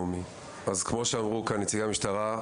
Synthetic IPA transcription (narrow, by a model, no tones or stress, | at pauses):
umi | azkmo̞ʃeamʁukanit͡siɡamiʃtaʁa